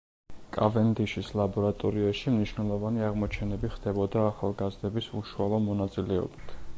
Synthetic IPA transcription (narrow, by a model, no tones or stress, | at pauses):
kʼa̰vɛnd̪iʃislˠabɔɾat̪ʼɔɾiaʃimniʃwnɛlˠɔvaniaʁmɔt͡ʃʰɛnɛbiχd̪̥ɛbɔd̪aːχalˠɡazd̪ɛbisuʃualˠɔmɔnat̪sʼilɛɔ̰bit̪ʰ